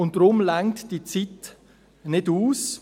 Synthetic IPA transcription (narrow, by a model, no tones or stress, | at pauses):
ʊnt̚d̥ɾʊmlaŋtd̥it͡sit | nɪduːs